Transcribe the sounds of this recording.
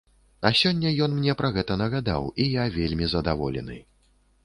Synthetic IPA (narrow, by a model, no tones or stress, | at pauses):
ɐsʲɔnʲːɐjɔn̪mnʲɛpɾɐɣɛt̪ɐnɐɣad̪a̰wijavʲelʲmʲizɐd̪avɔlʲɛ̰nɨ̰